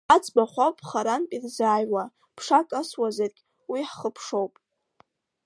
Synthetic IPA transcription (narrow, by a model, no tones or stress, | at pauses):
at͡sʰʼbaχʷapʼχaɾanpʼirzaːjwa | pʰʂakʼaswazarkʲʼ | wiħχəpʰʂowpʼ